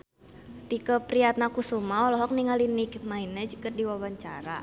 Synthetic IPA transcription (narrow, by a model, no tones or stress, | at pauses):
t̪ikəpɾiat̪̚nakusumaɔlɔɦɔk̚niŋalinikmainəd͡ʒkɨrdiwawaɲt͡ʃaɾa